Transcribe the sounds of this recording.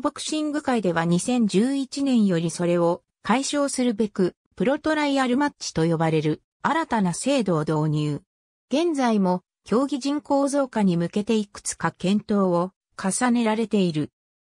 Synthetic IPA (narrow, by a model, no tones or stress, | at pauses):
bo̞kɯ̟̥ɕĩŋɡɯ̟kaid̪e̞βaɲ̟isẽ̞ɲ̟d͡ʑɨːit͡ɕinẽ̞ɰ̃jo̞ɾʲiso̞ɾe̞o̞ | kʰaiɕo̞ːsɨɾɯ̟be̞kɯ̟ | pɯ̟ɾo̞t̪o̞ɾaiaɾɯ̟matt͡ɕi̥t̪o̞jo̞baɾe̞ɾɯ̟ | aɾat̪anase̞ːd̪o̞ːd̪o̞ːɲ̟ɨː | ɡ̥ẽ̞nd͡zaimo̞ | kʲʰo̞ːɡʲiʑĩŋko̞ːzo̞ːkaɲ̟imɯ̟ke̞t̪e̞ikɯ̟̥t͡sɨ̥kakẽ̞nt̪o̞ːo | kʰasane̞ɾaɾe̞t̪e̞iɾɯ̟